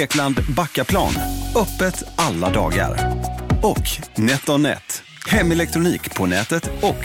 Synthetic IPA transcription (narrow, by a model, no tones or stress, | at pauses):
eːkland̪bakːapʰlɑ̰ːnœpːət̪ʔalːad̪ɑ̰ːɡa̰ɾ | ɔknɛt̪ːɔnɛ̰t̪ | hɛmːɛlɛk̚t̪ɾʊniːkpʰɔnɛːt̪ət̪ɔk